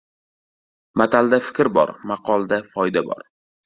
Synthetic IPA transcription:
mat̪ʰald̪afɪ̥kʲɾbɒ̰ɾmɑqʰɒlˠd̪afɒjd̪abɒ̰ɾ

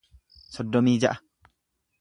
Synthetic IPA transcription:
sɔd̪ːɔmiːd͡ʒɐʔɐ

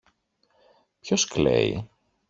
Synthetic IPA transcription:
pçoskle̞̰ḭ

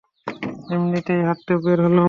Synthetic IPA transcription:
emnit̪ejɦat̪ːeobeɾɦolo

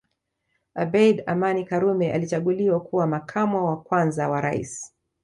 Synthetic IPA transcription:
abɛidamanikaɾumɛʔa̰lit͡ʃaɠuliwakuwamakʰamɔwakwanzawaɾa̰ḭsi̥

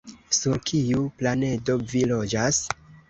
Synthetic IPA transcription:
suɾkʰijuplane̞do̞vilo̞d͡ʒas

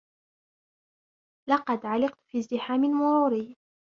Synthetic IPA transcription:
lɑqɑd̪ʕalɪqt̪fizd̪ɪħaːmɪlmʊɾuːɾiː

